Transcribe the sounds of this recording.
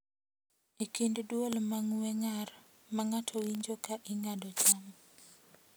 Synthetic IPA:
ekinddwolmaŋwɛŋar | maŋatʰowiɲd͡ʒokaʔiŋadɔt͡ʃam

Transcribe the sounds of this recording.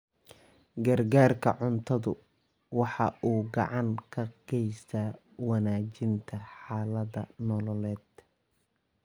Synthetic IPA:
ɡɐrɡaːrkʰɐ̰ʕʊnt̪ʰɐðʊ | wɑħɑʔuːɡɑ̰ʕɑŋkʰɐqɡɛjst̪ʰaː | wɑnaːt͡ʃɪnt̪ʰɐħɑːlɐðɐ̰nɔlɔlɛːd̪̥

